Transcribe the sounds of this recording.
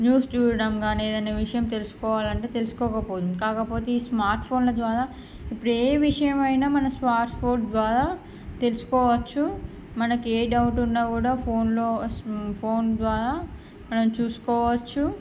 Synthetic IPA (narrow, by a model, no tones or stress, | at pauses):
njuːst͡ʃuːɽɐmɡaːneːd̪ɐneːʋiʂɐjɐmt̪e̞lusu̥kɔːʋaːlɐɳʈe̞ːt̪e̞lusu̥kɔːkɐpoːd̪umkaːkɐpo̞ːt̪e̞iːsmaːɾʈpʰo̞ːnloːd̪ʋaːɾaː | ipːɐɽeːʋiʂɐjɐmɐjnaːmɐnɐmsmaːɾʈpʰo̞ːʈd̪ʋaːɾaː | t̪e̞lusu̥kɔːʋɐt͡ʃːu | mɐnɐkeːɖɐwʈunːaːkuːɽaːpʰo̞ːnloːspʰoːnd̪ʋaːɾaː | mɐnɐmt͡ʃuːsu̥kɔːʋɐt͡ʃːu